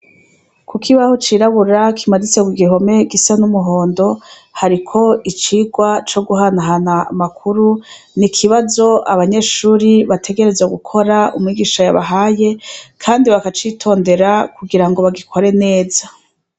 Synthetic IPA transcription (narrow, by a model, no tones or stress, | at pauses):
kʰukʰiβahot͡ʃiːɾaβuɾakʰimadit͡seɡwiɡiɦo̞me̞ɡisanumuɦo̞ːndo̞ | haɾikʰo̞it͡ʃiːɡwat͡ʃo̞ɡuɦanaɦana̰ːmakʰuɾu | nikʰiβazo̞aβaɲe̞ːʃuːɾiβatʰe̞ɡe̞ɾe̞zaɡukʰo̞ɾaumŋiɡiʃaja̰βa̰ɦaje̞kʰaːndiβakat͡ʃitʰo̞ːnde̞ɾakuɡiɾaŋɡo̞βaɡikʰo̞ɾe̞ne̞ːza